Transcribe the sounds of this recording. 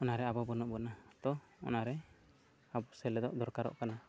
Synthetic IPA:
ɔnaɾɛabɔbɔnɔʔbɔnat̪ɔ | ɔ̰naɾɛ | abɔsɛlɛd̪ɔʔd̪ɔɾkaɾɔ̰ʔkana

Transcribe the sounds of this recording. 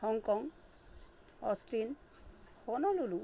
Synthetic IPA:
hɔŋkɔŋ | ɔ̰sʈin | hɔnɔlulu

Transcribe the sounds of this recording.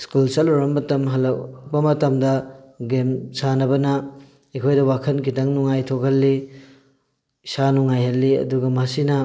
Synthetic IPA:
skulsɐluɾɐmbɐtɐmɦɐlɐk̚bɐmɐtɐmdɐɡemsanɐbɐnɐ | ekʰojdɐwakʰɐnkitɐŋnuŋajtʰokʰɐlːi | sanuŋajhɐlːiɐ̰duɡɐmɐsinɐ

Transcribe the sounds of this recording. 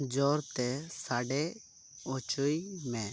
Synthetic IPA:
d͡ʒɔɾt̪ɛsaɖɛ | ot͡ʃoimɛ̃

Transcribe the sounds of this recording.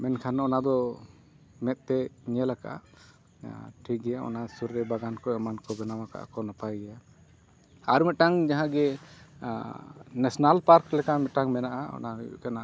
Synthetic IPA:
mɛnkʰanɔnad̪ɔ | mɛt̪̚ˀt̪ɛɲɛlaka̰a | ʈʰik̚ɡɛjaɔ̰nasuɾːɛbaɡankɔɛmankɔbɛnawaka̰ʔa̰kɔnapajɡɛja | aɾmɛʈaŋd͡ʒaɦãɡɛ | nɛsɔnalpaɾklɛkamɛʈaŋmɛnaʔaɔ̰najṵʔkana

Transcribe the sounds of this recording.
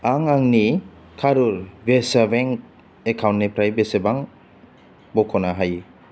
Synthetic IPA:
aŋaŋni | kʰaɾuɾbesabeŋ | ekʰawntnepʰɾajbesebaŋ | bɔkʰɔnaɦaj

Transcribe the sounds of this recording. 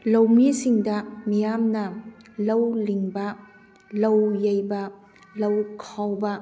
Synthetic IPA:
lɐwmisiŋdɐmijamnɐlɐwliŋbɐ | lɐwjɐjbɐ | lɐwkʰawbɐ

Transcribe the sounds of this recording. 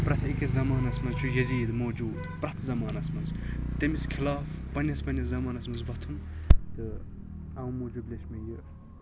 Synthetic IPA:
pɾɐt̪ʰɐkʲizɐmaːnɐsmɐnzt͡ʃʰujɐziːd̪moːd͡ʒuːd̪pɾɐt̪ʰzɐmaːnɐsmɐnzt̪ɐmiskʰilaːfbɐnʲɐsbɐnʲɐzɐmaːnɐsmɐnzʋɐt̪ʰunt̪ɨ | ɐmoːd͡ʒuːb̪lʲesmɐjɨ

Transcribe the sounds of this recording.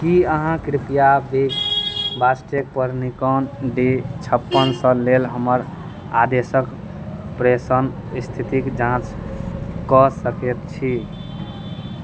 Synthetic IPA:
kiəɦãkɾipijabekbasʈek̚pəɾnikɔnɖet͡ʃʰəpːənsə̃lelɦəməɾ | ad̪esək | pɾesən | st̪ʰit̪ikd͡ʒãt͡ʃ | kɔsəkɛt̪̚t͡ʃʰi

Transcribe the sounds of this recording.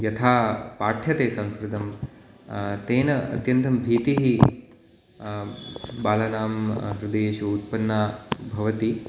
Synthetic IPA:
jɐt̪ʰaːpaːʈʰjɐt̪eːsɐ̃w̃skɾud̪ɐm | t̪eːnɐɐ̰t̪jɐnt̪ʰɐmbʱiːt̪iɦi | baːlɐnaːmɦɾud̪eːʃuut̪̚pɐnːaːbʱɐʋɐt̪i

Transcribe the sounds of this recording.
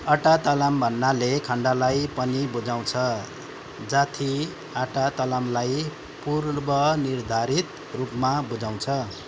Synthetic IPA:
aʈat̪alambʱʌnːalekʰʌɳɖalajpʌnibud͡zaw̃t͡sʰʌ | d͡zat̪ʰi | aʈat̪alamlaj | purbʌnird̪ʱaɾit̪ | rupmabud͡zaw̃t͡sʰʌ

